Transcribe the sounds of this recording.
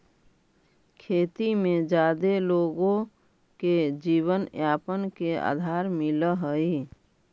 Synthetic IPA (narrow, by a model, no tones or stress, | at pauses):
kʰeːt̪imẽd͡ʒaːd̪eloːɡõ | ked͡ʒiːwənjaːpənkea̰ːd̪ʱaːɾmɪləɦəi